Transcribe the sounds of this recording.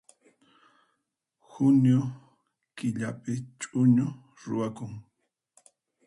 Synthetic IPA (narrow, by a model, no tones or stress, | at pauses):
xʊnjo | kɪʎapɪt͡ʃʼʊɲʊ | ɾʊ̰wakʊŋ